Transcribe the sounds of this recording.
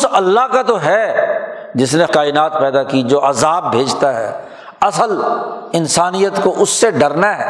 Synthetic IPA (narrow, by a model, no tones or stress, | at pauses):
ʊsɐlːaɦkat̪oɦɛ | d͡ʒɪsnekaːɪnaːt̪̚pɛːd̪akid͡ʒoːʔɐzaːbːʱeːd͡ʒt̪aɦɛ̰ː | ɐsəlɪnsaːnijət̪koʔʊsːeɖɐɾnaɦɛː